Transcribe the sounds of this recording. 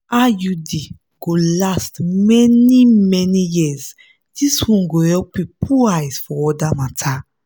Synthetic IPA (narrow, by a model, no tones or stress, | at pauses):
ajudi | ɡ̥olastmɛnimɛnijiz | d̥iswɔ̃nɡohɛlpipʰuajz̥fɔɔdamatʰa